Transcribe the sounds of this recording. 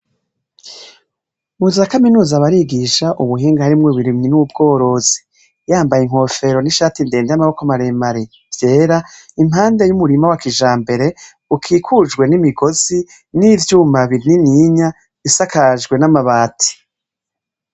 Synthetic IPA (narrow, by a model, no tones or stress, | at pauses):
muzakaminuːzaβaɾiɡiʃaʔuβuɦiːŋɡahaɾimŋoβuɾimɲinuub̚ɡo̞ːɾo̞z̥i | jaːmbajiŋ̥ho̞ːfe̞ɾo̞niʃaːtinde̞ːndejamaβokomaɾemaɾi | vje̞ːɾaimhaːnde̞jumuɾimawakiʒaːmbe̞ɾe̞ | ukʰiːkʰud͡ʒɡwe̞nimiɡo̞z̥i | nivjuːmbaβiɾininiɲa | βisakaʒɡwe̞namaβaːtʰi̥